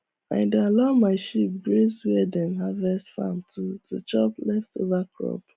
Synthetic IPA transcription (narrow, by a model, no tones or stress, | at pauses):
ã̰ɪ̃ndealamaɪʃip̚ɡɹeswɛdɛ̃nɦavɛsfa̰mtʰutut͡ʃɔplɛftʰo̰vakɹɔ̰p